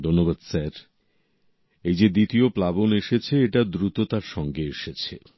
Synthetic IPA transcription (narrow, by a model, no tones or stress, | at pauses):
d̪ʱonːobad̪sɛɾ | ejd͡ʑed̪it̪ioplaboneʃet͡ɕʰeeʈad̪ɾut̪ot̪aɾʃɔŋɡeeʃet͡ɕʰe